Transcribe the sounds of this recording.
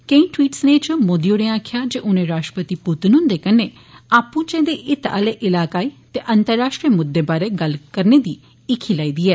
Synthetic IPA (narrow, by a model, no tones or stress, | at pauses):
kẽĩːʈwiːʈsnet͡ʃmoːd̪ijoːneːaːkʰɪjaːd͡ʒeːʔʊnẽɾaːʃʈɾəpət̪ipʊt̪nʊ̃nd̪eːkəneː | aːpːũːt͡ʃɛ̃ːd̪eʔɪt̪a̰ːleːʔɪlaːkaːiːt̪eʔənt̪əɾːaːʃʈɾijəmʊd̪ːeːbaːɾeːɡəlkəɾned̪iː | ɪkʰːiːlaːiːd̪iːɛː